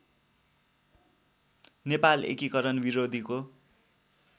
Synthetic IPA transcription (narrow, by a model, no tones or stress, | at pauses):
nepalḛkikʌɾʌnbiɾod̪ʱiko